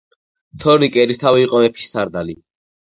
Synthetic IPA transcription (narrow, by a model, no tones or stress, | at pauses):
t̪ʰɔɾikʼɛɾist̪ʰaviːqʼɔmɛpʰi̥sːaɾd̪ali